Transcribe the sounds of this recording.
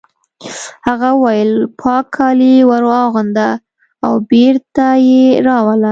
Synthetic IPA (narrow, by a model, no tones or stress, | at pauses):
haɣawajəlpʰɑkʰːɑliwaɾwɑɣand̪a | awbeɾt̪ajeɾɑwala